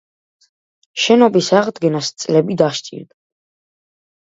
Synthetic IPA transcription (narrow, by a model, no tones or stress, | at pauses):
ʃɛnɔbisaʁd̪ɡɛnast̪sʼlɛbid̪aʃt͡ʃʼḭɾd̪a